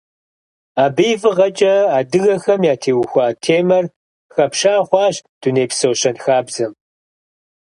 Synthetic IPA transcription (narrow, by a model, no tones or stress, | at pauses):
aːbejvɨʁɐt͡ʃʼɐaːdɨɣɐxɐmjaːtʰeːwxʷaːtʰeːmɐr | xɐpʃaːχʷɑːɕd̥uneːpsowɕɐnxaːbzɐm